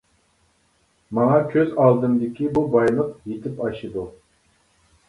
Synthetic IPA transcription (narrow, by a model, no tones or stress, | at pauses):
mɑŋɑkʲʰøzɑlˠd̪ɨmd̪ɪkʲibubɑjlˠəqjet̪ʰɪpɑʃɨd̪u